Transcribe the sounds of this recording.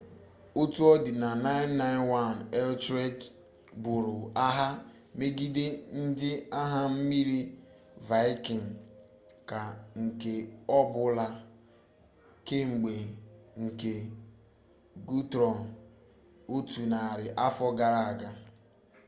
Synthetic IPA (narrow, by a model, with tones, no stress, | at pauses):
o˦tu˦ɔ˦dɪ˨na˨na˦ɪ˦nːa˦ɪ˦nwa˦nɛ˦ltɾe˦d | bʊ˨ɾʊ˨a˦ɦa˦ | me˦ɡi˦de˦n̩˦dɪ˦a˦ɦa˦m̩˦mi˦ɾi˦ | va˦ɪ˦kɪ˨ŋ̩˨ | ka˨ŋ̩˨ke˨ɔ˦bʊ˦la˦ | ke˦ŋ͡m̩˨ɡ͡be˨ŋ̩˨ke˨ | ɡu˦tɾɔ˨n˨ | o˦tu˨na˨ɾɪ˨ʔa˦fɔ˦ɡa˦ɾa˨a˨ɡa˦